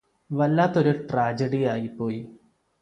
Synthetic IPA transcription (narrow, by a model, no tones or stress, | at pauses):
ʋɐlːaːt̪ːo̞ɾuʈraːd͡ʑɐɽijaːjipːo̞ːji